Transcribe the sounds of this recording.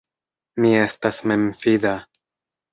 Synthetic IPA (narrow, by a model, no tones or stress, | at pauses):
mie̞stasmemfida